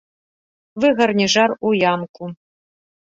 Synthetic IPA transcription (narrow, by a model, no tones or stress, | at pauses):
vɨɣɐrnʲiʐarujamkʷʼu